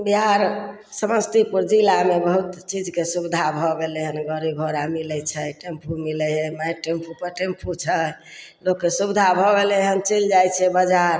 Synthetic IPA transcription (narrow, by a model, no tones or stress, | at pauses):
biɦaɾ | səməst̪ipuɾd͡ʒilamebəɦut̪t͡ʃid͡ʒkesubd̪ʱabʱɔbeleɦənɡəɾibʱoɾamilɛt͡ʃʰɛʈempʰumilɛɦɛmaʈempʰupəɾʈempʰut͡ʃʰəlokːesubd̪ʱabʱɔbelɛɦənt͡ʃeld͡ʒajt͡ʃʰɛbəd͡ʒaɾ